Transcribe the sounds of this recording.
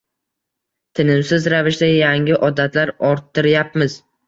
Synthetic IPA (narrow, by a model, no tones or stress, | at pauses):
t̪ʰɪnɪmsɪzɾavɪʃd̪ajaŋɪʔɒd̪at̪laɾɒɾt̪ʰːɪɾjap̚mɪz